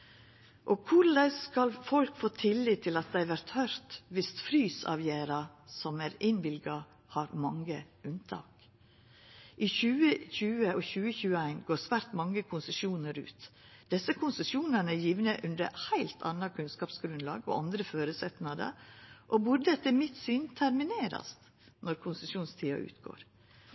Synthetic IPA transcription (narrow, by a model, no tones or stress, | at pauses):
ʔɔkʰʊɭæskɑlfɔlkfoːt̪ʰɪlːiːt̪ʰːɪlɑt̪̚d̪æɪʋæɾt̪hœɾt̪ʋɪst̪fɾyːsɑ̰ːʋjeːɾɑ | sɔmæːɾɪnbɪlɡɑ | hɑɾmɑŋəʔʉnt̪ʰɑ̰ːk | ʔiːçʉːəçʉːəɔçʉːəçʉːəæɪnɡoːsʋæːɾt̪mɑŋːəkʰʊnsəʃjuːnəɾʉ̰ːt̪ | d̪̥ɛsːəkʰʊnsəsuːnənəæjiːʋnəʔʉnd̪ə̰hæɪlt̪ʰɑ̰nːɑkʰʉnskɑːpsɡɾʉnlɑ̰ːɡɔ̰ʔɑnd̪ɾəføːɾəsɛt̪nɑd̪ə̰ʔɔbʉɖəɛt̪ːəmɪt̪syːnt̪ʰæɾmɪneːɾɑ̰st̪ | nɔɾkʰʊnsəsjuːnst̪ʰiːɑ̰ʔʉ̰ːt̪ɡo̰ːɾ